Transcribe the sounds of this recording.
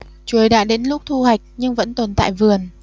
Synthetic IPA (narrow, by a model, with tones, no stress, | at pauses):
t͡ɕu˨˦əjɗa̰ː˧˨ɗe˨˦nlʊ˦˥k͡p̚t̪ʰu˧ha˨˩jk̟̚ɲɨ˧ŋvə̰˧˥nt̪o˨˩nt̪a̰ː˧˨jvɨ˨˩ən